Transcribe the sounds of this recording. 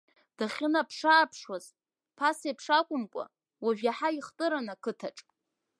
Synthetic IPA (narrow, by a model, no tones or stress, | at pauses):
d̥aχʲɪnapʰʂaːpʰʂwaz | pʰasepʰʂakʷʼʊmkʷʼa̰ | waʒᶣaħaiχtʼɨɾanakʰɨtʰaʈ͡ʂʼ